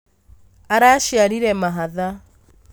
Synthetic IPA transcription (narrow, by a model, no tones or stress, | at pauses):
aɾaʃiaɾiɾɛmaɦaða